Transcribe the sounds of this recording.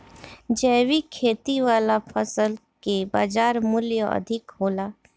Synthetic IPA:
d͡ʒɛːʋikʰeːt̪iʋaːlapʰəsəlkeba̰ːd͡ʒaːɾmʊljəɐ̰d̪ʱɪkɦoːlaː

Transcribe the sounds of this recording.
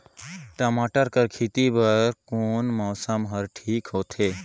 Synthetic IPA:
ʈəmaːʈəɾkəɾkʰit̪ibəɾkoːnmɔːsəmɦəɾʈʰiːkɦoːt̪ʰeː

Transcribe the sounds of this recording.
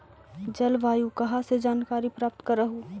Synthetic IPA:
d͡ʒɐlʋaːjukɐɦased͡ʒaːnkaːɾipɾaːp̚t̪kɐɾːəɦu

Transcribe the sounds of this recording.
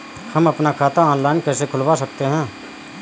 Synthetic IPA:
hɐmɐpnakʰaːt̪aɔ̃ːnlaːɪnkɛːsekʰʊlwasɐkt̪eɦɛ̃ː

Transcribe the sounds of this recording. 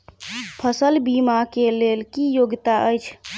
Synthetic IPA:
pʰəsəlbimakelelkijoɡt̪aʔəjt͡ʃʰ

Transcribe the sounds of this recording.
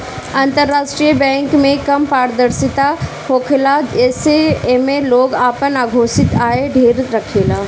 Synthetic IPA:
ãːnt̪əɾːaːʃʈɾijəbɛ̃ːŋkmẽkɐmpaːɾd̪əɾsɪt̪a | hoːkʰlad͡ʒɛːsemẽloːɡaːpənaːɡʱoːsɪt̪aːeɖʱeːɾɾɐkʰeːlaː

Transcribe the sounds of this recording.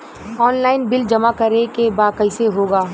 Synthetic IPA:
ɔːnlaːɪnbɪld͡ʒɐmakɐɾekebaːkɐɪseɦoːɡaː

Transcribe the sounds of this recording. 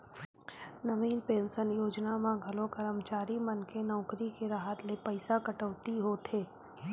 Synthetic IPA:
nɐʋiːnpẽːnsənjoːd͡ʒnamãɡʱɐlõkəɾəmt͡ʃaːɾimɐnkenɔːkɾikeɾaːɦət̪lepɐɪsakɐʈəʋt̪iɦot̪ʰeː

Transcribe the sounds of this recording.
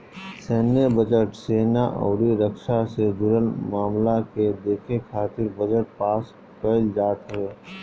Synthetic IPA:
seːnjəbəd͡ʒəʈseːnaʔɔ̰ːɽiɾəkʃased͡ʒʊɾəlmaːmlaked̪eːkʰekʰaːt̪ɪɾbəd͡ʒəʈ̚paːs | kəld͡ʒaːʈ̪əeː

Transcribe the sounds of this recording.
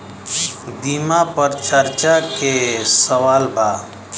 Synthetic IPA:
biːmapɐɾt͡ʃʰəɾt͡ʃakesɐwaːlbʱaː

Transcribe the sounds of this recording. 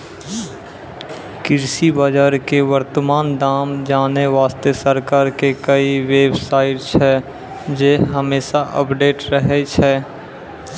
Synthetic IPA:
kɪɾʃibaːd͡ʒaːɾkeʋəɾt̪əmaːnd̪aːmd͡ʒaːneʋaːst̪esəɾkaːɾkekəiʋeːbsaːɪʈt͡ʃʰɛ | d͡ʒeːɦəmeːʃaʔə̰pɖeːʈɾəɦet͡ʃʰɛ

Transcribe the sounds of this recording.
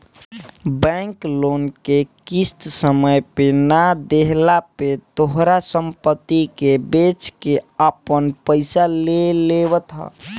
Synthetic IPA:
bɛ̃ŋklonkekist̪səməjpenad̪eɦlapet̪oɦɾasəmpət̪ːikebet͡ʃkeəpənpəɪsaleleβət̪ɦɔ̰

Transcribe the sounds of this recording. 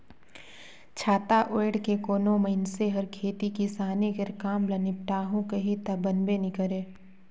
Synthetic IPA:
t͡ʃʰaːt̪aʔoːɽkekoːnoməɪnseɦɐɾkʰeːt̪ikisaːniɡəɾkaːmlɐnɪp̚ʈaːɦõkɐɦit̪ɐbənbenɪkəɾeː

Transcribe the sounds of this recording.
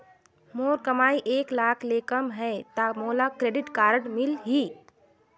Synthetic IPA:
moːɾkɐmaːiʔeːklaːkʰleːkəmɦɛt̪amoːlakɾeːɖɪʈkaːɾəɽmɪlɦiː

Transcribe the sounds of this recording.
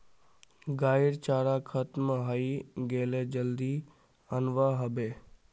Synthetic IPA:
ɡaːɪɾt͡ʃaːɾakʰət̪məɦaiɡeːled͡ʒəld̪iː | ənʋaɦəbeː

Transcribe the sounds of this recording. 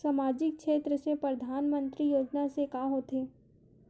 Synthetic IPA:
samaːd͡ʒɪk̚ʃeːt̪ɾəsepɾɐd̪ʱaːnmə̃nt̪ɾijoːd͡ʒnasekaːɦoːt̪eː

